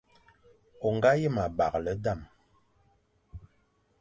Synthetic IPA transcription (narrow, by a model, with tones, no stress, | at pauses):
o˨ŋɡa˦jə˦ma˨ba˨ɣlə˨da˦˨m